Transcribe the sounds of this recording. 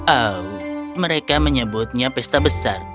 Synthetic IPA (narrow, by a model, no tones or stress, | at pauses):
awməɾekaməɲəbʊt̪̚ɲapɛst̪abəsar